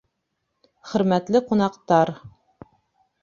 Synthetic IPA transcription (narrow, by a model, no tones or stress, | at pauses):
χɵ̆ɾmæt̪lɘqunɑqt̪ɑɾ